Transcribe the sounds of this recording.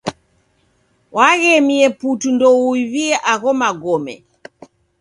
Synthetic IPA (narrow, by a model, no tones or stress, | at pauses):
wʔaɣɛmiɛputundɔuiviɛʔaɣɔmaɡɔmɛ̰